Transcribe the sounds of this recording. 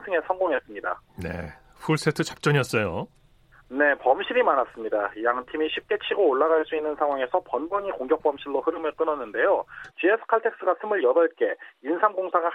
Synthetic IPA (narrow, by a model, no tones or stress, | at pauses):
sʰɯŋe̞sʰʌnɡoŋe̞s͈ɯmɲida̰ne̞̰ | ɸʰuɭs͈etʰɯt͡ɕap̚t͡ɕ͈ʌɲiʌs͈ʌjo | ne̞pʌmɕʰiɾimanas͈ɯmɲidaijaŋtʰimiɕʰip̚k͈e̞t͡ɕʰiɡoːɭːaɣaɭs͈uinːɯnsʰaŋɦwaŋe̞sʰʌpʌnbʌɲikoŋɡjʌk̚p͈ʌmɕʰiɭːohɯɾɯmɯɭk͈ɯnʌnːɯnde̞jot͡ɕiesʰɯ̥kʰaɭtʰe̞k̚s͈ɯɡasʰɯmɯɭjʌdʌɭk͈e̞insʰamɡoŋsʰaŋɯɭ